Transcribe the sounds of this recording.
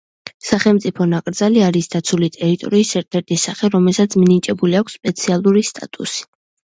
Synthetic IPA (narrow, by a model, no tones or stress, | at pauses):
saχɛlˠmt̪sʼipʰɔnakʼɾd̪zaliaɾisd̪̥at̪sʰulit̪ʼɛɾit̪ʼɔ̰ɾiːsɛɾt̪ʰɛɾt̪ʰisaχɛɾɔmɛlˠsat̪sʰminit͡ʃʼɛbuliakʷʰsːpʼɛt̪sʰialˠuɾist̪ʼa̰t̪ʼṵsi̥